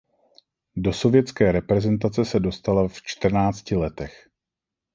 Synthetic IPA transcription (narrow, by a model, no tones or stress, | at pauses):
do̞so̞vjɛt͡skɛːɾɛpɾɛzɛnt̪at͡sɛsɛdo̞st̪alaft͡ʃt̪r̩naːt͡scɪlɛt̪ɛx